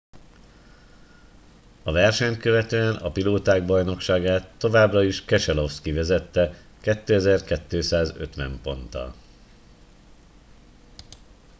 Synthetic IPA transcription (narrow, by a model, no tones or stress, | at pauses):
ɒvɛrʃɛɲt̪̚køvɛt̪øːɛnɒpiloːt̪aːɡ̚bɒjno̞kʃaːɡaːt̪ːo̞vaːbrɒiʃkɛʃɛlo̞fskivɛzɛt̪ːɛ | kɛt̪ːøːɛzɛrkɛt̪ːøːsaːzø̰t̪ʋɛ̰mpo̞̰nt̪ɒ̰